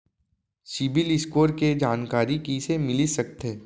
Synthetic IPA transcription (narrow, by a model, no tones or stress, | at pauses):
sɪbɪlɪskoːɾked͡ʒaːnkaːɾikisemɪlisɐkt̪eː